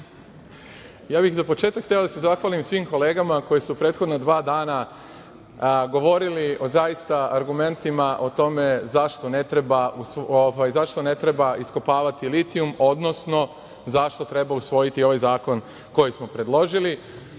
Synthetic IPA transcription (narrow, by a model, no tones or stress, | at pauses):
jaːbixzapo̞t͡ʃe̞ːt̪akʰːt̪eod̪ase̞zaxʋalimsʋiːmko̞le̞ːɡamako̞jesupɾe̞ːt̪xod̪nad̪ʋaːd̪aːna | ɡo̞ʋo̞ɾilio̞zajist̪aaɾɡume̞nt̪imaʔo̞t̪o̞me̞zaʃt̪o̞ne̞t̪ɾe̞bausoʋajzaʃt̪o̞ne̞t̪ɾebaiskopaːʋat̪ilit̪iumo̞d̪no̞sno̞ | zaʃt̪o̞t̪ɾe̞bausʋo̞jit̪io̞ʋajzaːkon | ko̞jismo̞pɾe̞d̪lˠo̞ʒili